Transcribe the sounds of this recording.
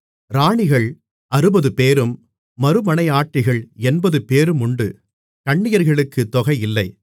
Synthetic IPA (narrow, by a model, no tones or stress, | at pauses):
ɾaːɳɪɣɐɭ | ɐɾɯbɐðɯpeːɾɯmː | ɐɾɯmɐnɐɪaːʈːɪɣɐɭɛnbɐðɯpeːɾɯmʊɳɖɯ̰ | kɐɳːɪjɐɾɣɐɭɯkːɯt̪ːɔɣɐɪɪlːɐɪ